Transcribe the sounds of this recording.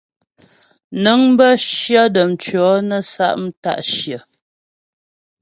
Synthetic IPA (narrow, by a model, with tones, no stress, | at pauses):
nə˨˦ŋbə˦ʃjɔ˦də˨m˨t͡ʃɥɔ˨˦nə˦sa̰˦ʔm̩˦ta̰˦˨ʔʃjə˨